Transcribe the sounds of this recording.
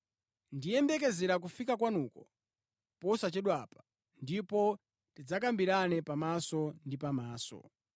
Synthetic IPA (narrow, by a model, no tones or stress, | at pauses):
ndijɛmbɛk̬ɛzɛɾak̬ufikakwanukɔ | pɔsat͡ʃɛɗwapḁ | ndipɔ | tid͡zak̬ambiɾanɛpamasɔndipamaːsɔ̰